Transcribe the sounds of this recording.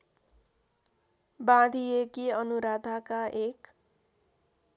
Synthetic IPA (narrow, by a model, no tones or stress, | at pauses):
bãd̪ʱiekiʌnuɾad̪ʱakaʔek